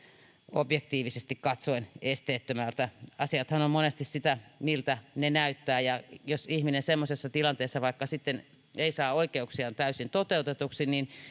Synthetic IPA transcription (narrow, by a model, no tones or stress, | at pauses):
objekt̪iːʋisest̪ikkɑt̪soinest̪eːt̪ːømælt̪æɑsiɑt̪hɑnommonest̪issit̪æmilt̪ænenæyt̪ːæːjɑjosihminensemːosesːɑt̪ilɑnt̪eːsːɑʋɑikːɑsit̪ːen | eisɑːoikeuksiɑnt̪æysint̪ot̪eut̪et̪uksinin